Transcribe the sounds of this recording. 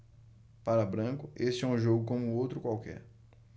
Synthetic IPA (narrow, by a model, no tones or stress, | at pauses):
paɾɐbɾɐ̃kʊʔest͡ʃɪɛũʒoɡʊkõmʊowt̪ɾʊkwawkɛ̰ɾ